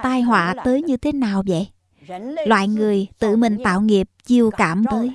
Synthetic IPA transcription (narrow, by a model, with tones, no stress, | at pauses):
t̪aː˧jɦwa̰ː˧˨t̪əː˨˦jɲɨ˧t̪ʰe˨˦naː˨˩wvə̰˧˨j | lwa̰ː˧˨jŋɨ˨˩əjt̪ɨ̰˧˩mï˨˩ŋ̟t̪a̰ː˧˨wŋi˨˩əp̚t͡ɕi˧əwkaː˧˩mt̪əː˨˦j